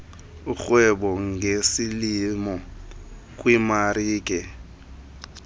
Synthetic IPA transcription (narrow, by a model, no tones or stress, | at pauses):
ʊk͡xwɛbɔŋ̩ɡesilimɔ | kʼwimaɾiːkʼɛ